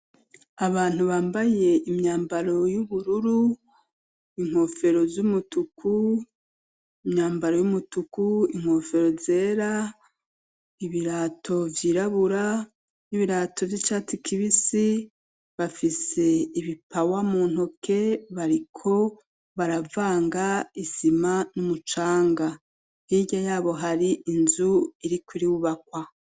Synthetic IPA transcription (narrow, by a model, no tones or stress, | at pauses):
aβaːn̥uβaːmbaje̞imɲaːmbaɾo̞juβuɾuɾu | iŋ̥ho̞fe̞ɾo̞zumutukʰu | imɲaːmbaɾo̞jumutukuiŋho̞fe̞ɾo̞ze̞ːɾa | iβiɾaːtʰo̞vjiːɾaβuɾa | niβiɾaːto̞vjit͡ʃaːtikʰiβisi | βafise̞iβipawamuːn̥hokʰe̞βaɾikʰo̞ | βaɾavaːŋɡaizimanumut͡ʃaːŋɡa | hiɟajaːβo̞ɦaɾiʔinzuiɾikwiɾiwuβak̚wa